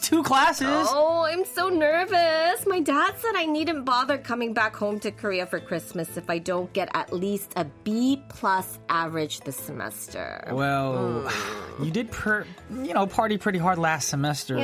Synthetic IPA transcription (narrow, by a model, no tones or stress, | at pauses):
tʰukʰl̥æsɪzoʊãɪ̃msoʊnɜ˞vɨsmaɪdæd̥sɛ̃ɾaɪnidⁿn̩b̥ɑðə˞kʰʌmɪ̃ŋbækhõʊ̃mtɨkʰə˞iɨfə˞kʰɹ̥ɪsmɨsɨfaɪdõʊ̃nɡ̥ɛɾɨ̰ʔˡlistʰɨbipʰl̥ʌs | ʔævəɹɪ̥d͡ʒðɨsɨmɛ̰stʰə̰˞wɛlˠ | jɨdɨd̚pʰɜjɨñoʊpʰɑɹɾipʰɹ̥ɪɾiɦɑɹdˡlæstsɨmɛstə˞